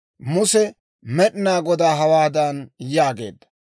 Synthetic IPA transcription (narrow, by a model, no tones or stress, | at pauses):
mʊsɛ | mɛɗnaːɡɔd̪aːɦɐwaːd̪ɐnjaːɡe̞̰ːd̪ːɐ